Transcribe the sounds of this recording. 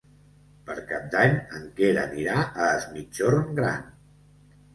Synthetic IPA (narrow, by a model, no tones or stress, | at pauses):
pəɾkap̚d̪aɲəŋkeɾəniɾaʔəːzmit͡ʃorŋɡɾa̰n